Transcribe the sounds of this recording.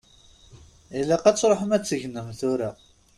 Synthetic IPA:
ilːæqæt͡sːɾˤoħəmæt͡sːəʝnəmθʊɾa

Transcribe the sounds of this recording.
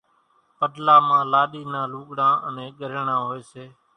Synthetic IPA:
pəɗlaːmãːlaːɗiːnãːluːɠɽãːʔənẽːɠəɾəɳãːɦoeːseː

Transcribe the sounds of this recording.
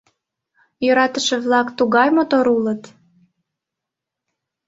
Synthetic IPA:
jøɾɑt̪əʃĕβlɑkt̪uɣɑjmot̪oɾulət̪

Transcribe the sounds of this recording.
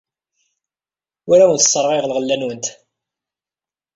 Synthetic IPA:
ʊɾawənt̪ə̥sˤːəɾˤʁiʁlʁəlːænwənt̪

